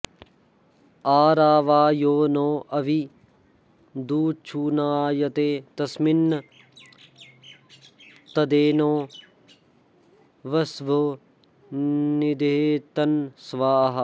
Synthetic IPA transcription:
aːɾaːʋaːjoːnoːʔɐʋi | d̪uːt͡ʃʰuːnaːjɐt̪eːt̪ɐsminː | t̪ɐd̪eːnoː | ʋɐsʋɐ | nid̪et̪ɐnsʋaːɦɐ̆

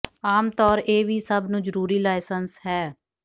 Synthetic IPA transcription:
aːmt̪ɔːɾeːʋiːsəbnũːd͡ʒəɾuːɾiːlaːɪsənshɛː

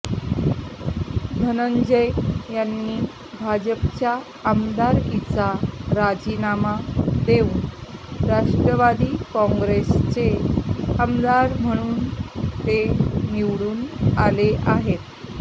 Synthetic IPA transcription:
d̪ʱənəɲd͡ʑəjjanːiː | bʱad͡ʑəpt͡ɕjaː | md̪aɾit͡saɾad͡ʑinamad̪eunɾaʂʈɾəʋad̪iːkɔ̃ŋɡɾest͡ɕeamd̪aɾm̤əɽ̃uːnt̪eniʋɽuːnaleʔaɦet̪

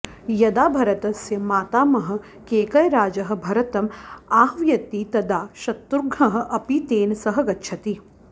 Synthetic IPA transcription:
jɐd̪aːbʱɐɾɐt̪ɐsjɐmaːt̪aːmɐɦɐ̆ | keːkɐjɾaːd͡ʒɐɦɐ̆bʱɐɾɐt̪ɐmaːɦʋjɐt̪it̪ɐd̪aːʃɐt̪ːuɾɡʱɐɦɐ̆ʔɐpit̪eːnsɐɦɐ̆ɡɐtːʃʰɐt̪i

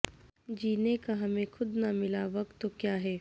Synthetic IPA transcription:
d͡ʒiːnekaɦɐmẽxʰʊd̪namɪlaʋɐk̚t̪ːokjaːɦɛː

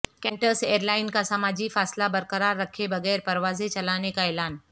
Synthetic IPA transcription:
kɛ̃ːɳʈəɾseːɾlaːɪnkasɐmaːd͡ʑifaːslabɐɾkəɾaːɾːɐkʰebɐɣɛːɾpɐɾʋaːzet͡ʃɐlaːnekaeːlaːn

